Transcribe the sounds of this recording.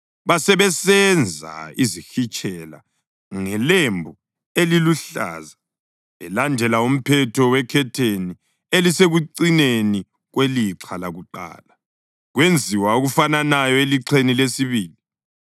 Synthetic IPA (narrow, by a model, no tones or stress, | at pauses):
βasɛβɛsɛnd͡zʱa̰izixit͡ʃʼʰɛla̰ | ŋɛlembʱu | eliluɬa̰ːza | ɛlandʱɛlaum̩pʰɛtʰɔwɛkʰɛtʰeni | eliseɣuǀineni | ɣweliǁʰalaɣuǃa̰ːla | ɣwend͡zʱiwaoɣufananajɔeliǀʰenilesiβiːli